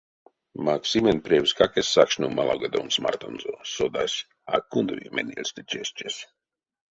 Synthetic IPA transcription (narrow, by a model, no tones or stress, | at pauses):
maksimʲɛnpɾʲiɛwskakɛsʲːakʃnumalˠaɡad̪ɔmsma̰rt̪onzosɔd̪asʲ | a̰kːund̪vḭmʲɛnʲiɛlʲsʲt̪et͡ʃɛst͡ʃɛsʲ